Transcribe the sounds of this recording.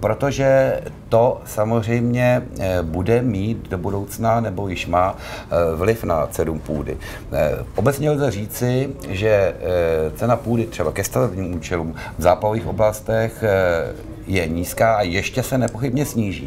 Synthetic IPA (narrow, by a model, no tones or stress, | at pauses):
pɾo̞t̪o̞ʒɛt̪o̞samozr̝ɛjmɲɛbudɛmiːt̪̚do̞budo̞wt͡snanɛbo̞jɪʃmaː | vlɪfna̰t͡sɛdumpuːdɪ̰ | ʔo̞bɛt͡sɲɛlzɛr̝iːt͡sɪʒɛ | t͡sɛnapuːdɪt̪r̥ɛbakɛst̪avɛbɲiːmuːt͡ʃɛluːm | vzaːpaoviːxʔo̞̰blast̪ɛx | jɛɲiːskaːʔajɛʃcɛsɛnɛpoxɪbɲɛsɲiːʒḭː